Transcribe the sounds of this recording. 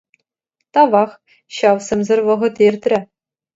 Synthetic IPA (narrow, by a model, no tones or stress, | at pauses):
t̪ɑʋɑχ | ɕɑwsɘ̆mzɘ̆rʋɤ̆ʁɤ̆t̪erʲt̪ʲrʲɘ̆